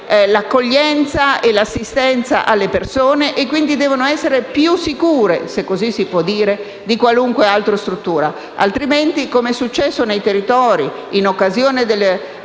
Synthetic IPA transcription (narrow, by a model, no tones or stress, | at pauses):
lakːoʎːɛnt̪saelasːist̪ɛnt̪sa̰ʔalːepersoːneʔekːwind̪id̪ɛːvonoɛsːeɾepjusːikuːɾesekːozisːipwɔd̪ːiːɾe | d̪ikwaluŋkwealt̪ɾost̪ɾut̪ːuːɾa | a̰lt̪ɾiment̪ikomeɛsːut͡ʃːɛsːonejt̪erːit̪ɔːɾi | inokːazjoːned̪elː